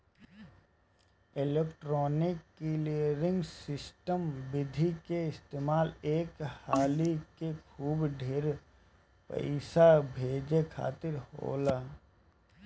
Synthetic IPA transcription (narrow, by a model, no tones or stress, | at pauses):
ɪleːkʈɾɔːnɪkːiliəɾɪ̃ŋɡsɪsʈəmbɪd̪ʱikeɪst̪eːmaːleːkhaːlikekʰuːbɖʱeːɾ | pə̰ɪsabʱeːd͡ʒekʰa̰ːt̪ɪɾho̰ːlaː